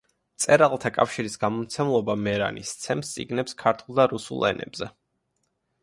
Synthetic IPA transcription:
t̪sʼɛɾalˠt̪ʰakʼafʃiɾisɡamɔmt̪sʰɛmlˠɔbamɛɾa̰nist̪sʰɛmst̪sʼḭɡnɛpskʰaɾt̪ʰulˠd̪aɾusṵlˠɛ̰nɛ̰bzɛ

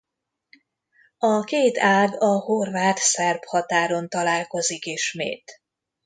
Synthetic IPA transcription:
ɒkeːt̪aːɡɒhorvaːt̪sɛrphɒt̪aːɾo̞nt̪ɒlaːlko̞zikiʃmḛːt̪

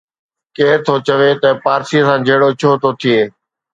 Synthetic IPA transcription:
keːɾt̪ʰoːt͡ɕəʋet̪ɐpaːɾsisãːd͡ʑʱeɦɽot͡ɕʰoːt̪ʰoːt̪ʰɪeː

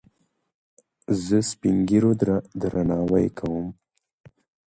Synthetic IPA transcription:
zəspiŋɡiɾod̪d̪ɾanɑwajkʰawəm

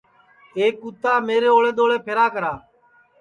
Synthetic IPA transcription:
eːkut̪aːmeːɾeːoːɭeːɗ̪oːɭeːpʰeːɾaːkəɾaː

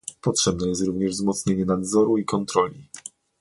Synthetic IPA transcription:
pɔtʂɛbnɛjɛst̪ɾuvɲɛʐvzmɔt̪sɲeɲɛnad̪zɔɾuikɔnt̪ɾɔlʲi

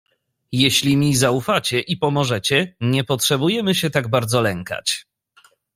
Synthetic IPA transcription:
jeɕlʲimʲizaufat͡ɕɛʔipɔmɔʐɛt͡ɕɛɲɛpɔtʂɛbujɛmɘɕɛt̪aɡ̚baɾd̪zɔlɛŋka̰t͡ɕ

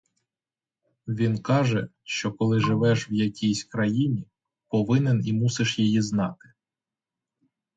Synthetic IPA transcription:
ʋʲinkɑʒɛʃt͡ʃɔkɔlˠɪʒɪʋɛʃwjɐkʲijsʲkɾɐjinʲi | pɔʋɪnɛnimusɪʃjijiznɑt̪ɪ̥

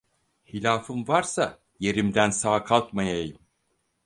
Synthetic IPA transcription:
hilʲaːfɯmvaɾsa | je̞ɾimd̪ænsaːkʰalˠt̪majajɯm

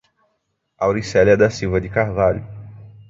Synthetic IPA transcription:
awɾisɛlɛd̪ɐsiwvɐd̪ɪkahvaʎʊ

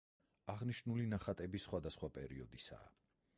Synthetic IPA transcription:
aʁniʃnulinaχat̪ʼɛbisχwad̪asχwapʼɛɾiɔd̪isa̰ː

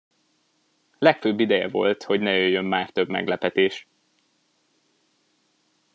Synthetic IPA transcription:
lɛkføːbːid̪ɛjɛ̰vo̞̰lt̪ho̞ɟnɛjøjːømːaːrt̪ø̞bmɛ̰ɡlɛpɛt̪eːʃ

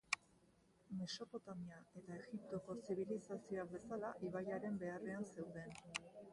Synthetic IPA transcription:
me̞so̞po̞t̪amiae̞t̪ae̞ɣip̚t̪o̞ko̞siβ̞ilisasio̞aβe̞salaʔiβajaɾe̞mbe̞are̞anse̞wðe̞n

